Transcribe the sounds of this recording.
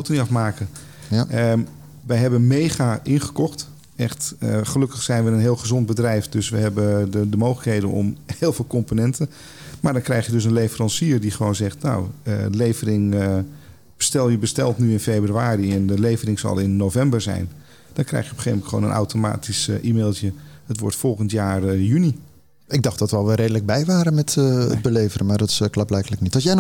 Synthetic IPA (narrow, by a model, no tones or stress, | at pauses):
wtəniɑfmaːkə | ə | ʋɛjɦɛbənmejχaʔɪnχə̥kɔχt | ɛχtəχəlɵkəχsɛjnʋəənɦɪːlˠχəzɔnt̚bədrɛjfdøsʋəɦɛbəədəmowxləkɦejdə̰nɔ̰mheːlˠvɪːlˠkɔmponɛntən | maːɹdɔnkrɛjχjədøs̬ənlejfərɑnsiːrdiχəʋownzɛχtna̰wə̰lejvərɪŋə | b̥əstɛlˠjəbəstɛlˠtnyɪnfeːbryaːɾiɛndəlejvərɪŋzɑ̰lˠɪnːowvɛmbəɹzɛ̰jn | d̥ɔnkrɛ̰jxjəɔpχḛːmtχəʋo̰ːnə̰nʔa̰wtoma̰ːtisʔimeːlˠtjəhətʋɔɹtfɔlˠχəntjaːrjyni | ɪɡ̚dɑχt̚d̥ɔtʋɛlˠʋəɾejdələɡ̚bɛjʋaːɾənmɛtə̰d̚bəlejvərəmaːɹdɔtɪ̥sklɑblɛjkələknitɔlsjɛjn